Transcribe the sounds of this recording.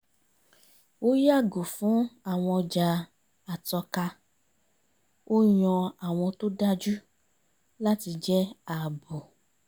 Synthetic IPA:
wo˦ja˦˨ɡo˨fũ˨˦a˨w̃ɔ̃˧d͡ʒa˧ | a˨tɔ˧ka˧ | wʔo˦jɔ̃˧a˨w̃ɔ̃˧to˦da˦d͡ʒu˦ | la˦ti˧d͡ʒɛ˦a˨bo˨

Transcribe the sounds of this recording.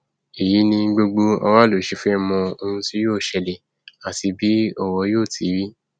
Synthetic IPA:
e˨ji˨˦nĩ˧˦ɡ͡bo˧ɡ͡bo˧ɔ̰˧wa˦lo˨˦ʃi˧fũ˦ɛ˦˧mɔ̃˧o˧hũ˧si˦joː˦˨ʃɛ˧˨lɛ˨ | a˨ti˧bi˦ɔ˦˨wɔ˧˦joː˦˨ti˨˦ɾi˦

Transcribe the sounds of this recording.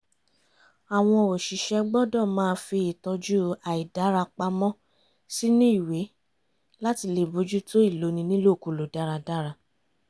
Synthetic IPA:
a˨w̃ɔ̃˧o˨ʃi˨ʃɛ˧ɡ͡bɔ˦dɔ˦˨mãː˦fi˧i˨tɔ˧d͡ʒu˦a˨i˨da˨˦ɾa˧k͡pa˧mɔ̃˦ | si˦nĩ˦i˦˨we˨˦ | la˦ti˧le˨bo˧d͡ʒu˦to˦i˦˨lo˨˦nĩ˧nĩ˦lo˦˨ku˨lo˨da˦ɾa˧da˦ɾa˧

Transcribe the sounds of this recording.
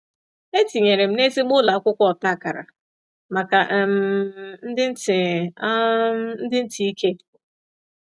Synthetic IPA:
e˦ti˨ɲe˨ɾe˨m̩˦ne˦zi˦ɡ͡bʊ˦la˨a˦kʷʊ˦kʷɔ˨ta˦˨ka˨ɾa̰˨ | ma˨ka˨ʔm̩˨n̩˦dɪ˦n̩˦tɪ˨˦ | n̩˦dɪ˦n̩˦ti˨˦i˦ke˦

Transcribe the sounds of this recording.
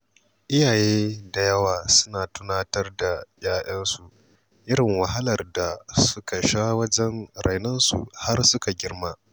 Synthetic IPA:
ʔɪ˦jaː˨jeː˦da˨jɐ˦waː˨sʊ̥˦naː˨tʊ˦naː˦tɐ˦rda˨j̰ʲaː˦ʔɐ˦nsu˨ | ʔɪ˦ɽɪ˨ŋwɐ˨ɦa˦lɐ˨rda˨sʊ˦ka˨ʃaː˦wɐ˦d͡ʒɛ˦nɾa˨jnɐ˦nsṵ˨ha˦rsʊ˦ka˨ɡʲɪ˦rmaː˦

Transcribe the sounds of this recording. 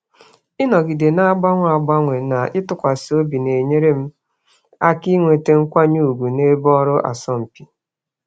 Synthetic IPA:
ɪ˦nɔ˨ɡi˨de˨na˦ɡ͡ba˦ŋʷ˦a˨ɡ͡ba˦ŋʷe˨na˨ʔɪ˦tʊ˦kʷa˨so˦bi˨ne˨ɲe˦ɾe˦m̩˦ | a˦ki˦ŋʷe˨te˦ŋ̩˦kʷa˦ɲu˦u˨ɡu˨ne˦bɔ˦ɾʊ˦ʔa̰˨sɔ˦m̩˨pi˨

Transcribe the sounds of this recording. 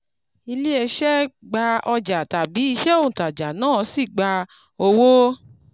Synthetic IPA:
i˧li˦e˧ʃɛ˦ɡ͡ba˧ɔ˧d͡ʒa˨ta˨bi˨˦i˧ʃɛ˦o˦˨ta˨d͡ʒa˨nãː˦˨˦si˦˨ɡ͡ba˧ | o˧wo˦

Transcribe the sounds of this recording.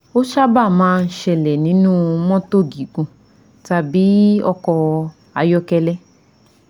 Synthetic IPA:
o˦ʃa˦ba˦˨mãː˦˧n̩˦ʃɛ˧˨lɛ˨nĩ˨˦nũː˦˧mɔ̃˦to˦˨ɡi˨ɡũ˧ | ta˧bi˨˦ɔ̰˦kɔ˧ | a˨jɔ˦kɛ˧lɛ˦

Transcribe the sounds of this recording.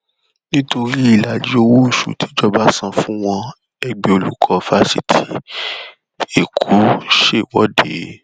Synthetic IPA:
nĩ˦to˧ɾi˦i˨la˨d͡ʒi˨˦o˧wo˦˨ʃṵ˨tʰi˨˦d͡ʒɔ˧ba˦sã˧fũ˦w̃ɔ̃˧ | ɛ˧ɡ͡be˧o˧lu˨˦kʰɔ˧˨fa˦si˦˨tʰi˨˦ | e˨kʰu˨˦ʃe˦˨wɔ˨˦de˨˦

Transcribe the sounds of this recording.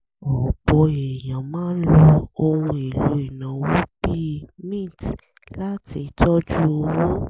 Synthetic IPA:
ɔ˨b̥ɔ˨˦e˨jã˨mãː˦n̩˦lɔ˧o˧wũ˧e˨lo˨˦i˨nã˨wɔ̃˦bi˦mĩ˦˨t | la˦ti˨˧˦tɔ˦d͡ʒu˦o˧˦wɔ̃˦

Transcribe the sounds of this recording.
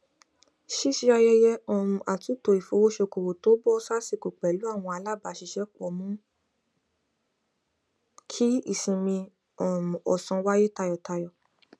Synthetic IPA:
ʃi˦ʃi˧˦a˧jɛ˧jɛ˧ɔ˨mũ˨ʔa˨tu˨˦to˨i˨fo˧˦wo˦ʃe˧ko˨wo˨to˨˦bɔ˦sa˦si˦˨ko˨k͡pɛ˨lu˨˦a˦˨w̃ɔ̃˧a˧la˦˨ba˧˨ʃi˧ʃɛ˦k͡pɔ˦˨mũ˦ | kʰi˦i˦˨sĩ˧˨mĩ˧ | ɔ˨mũ˨ɔ˨sɔ̃˧wa˦je˦ta˧jɔ˨ta˧jɔ˨

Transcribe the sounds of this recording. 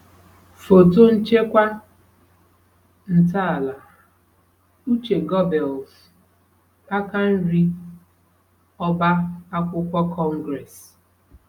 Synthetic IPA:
fo˨to˦n̩˦t͡ʃe˦kʷa˦ | n̩˨ta˦˨la˨ | u˦t͡ʃe˨ɡɔ˦bɛ˨ls | a˦ka˦n̩˦ɾi˦ | ɔ˦ba˦a˦kʷʊ˦kʷɔ˦kʰɔ˦ŋ˦ɡɾɛ˨s

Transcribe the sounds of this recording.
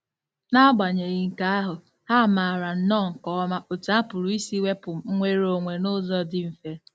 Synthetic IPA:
na˦ɡ͡ba˨ɲe˨ɣi˨ŋ̩˨ka˦a˦ɦʊ˨ | ha˦˨ma˨a˨ɾa˨n̩˦nɔ˦˨ŋ̩˨kɔ˦ɔ˦ma˦ʔo˨ta˦pʊ˨ɾu˨i˦si˦we˦pʊ˨m̩˨˦ŋʷe˦ɾo˦˨ŋʷe˨no˦zɔ˦dɪ˦m̩˨fe˦

